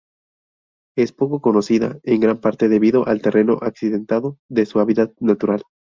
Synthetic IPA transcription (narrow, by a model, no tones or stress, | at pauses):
e̞spo̞ko̞ko̞no̞siða̰e̞ŋɡɾampaɾt̪e̞ðe̞βiðo̞ʔalt̪e̞rʔe̞noʔaksiðe̞nt̪aðo̞ðe̞suaβiðaðnat̪uɾal